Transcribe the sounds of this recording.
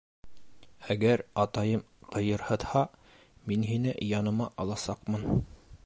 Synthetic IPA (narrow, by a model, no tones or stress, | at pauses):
æɡæɾɑt̪ɑjɤm | qɤ̆jɤ̆ɾhɤ̆t̪hɑ | minɦinɘjɑnɤ̆mɑʔɑlˠɑsɑqmɤn